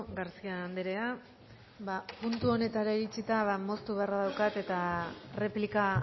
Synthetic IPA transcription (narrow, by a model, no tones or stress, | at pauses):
ɡaɾsiand̪eɾe̞a | bapunt̪uo̞ne̞t̪aɾaiɾit͡sit̪aβamo̞st̪uβe̞araðawkat̪e̞t̪are̞plika